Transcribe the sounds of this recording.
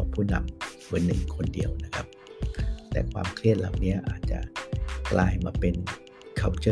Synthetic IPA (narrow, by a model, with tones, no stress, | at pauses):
ɔː˨˦ŋpʰuː˥˩na̰˧mmɯ˨˦nːɯ̰˨˩ŋkʰo˧ndḭ˧əwna˦˥kʰa˦˥p̚ | t̪ɛ̰ː˨˩kʰwaː˧mkʰli˥˩ət̪̚la˨˩wni˦˥ɐʔa̰ː˨˩t̪̚t͡ɕa̰˨˩ʔklʔaː˧jmaː˧pe˧n | kʰa˨˩wt͡ɕɤ˧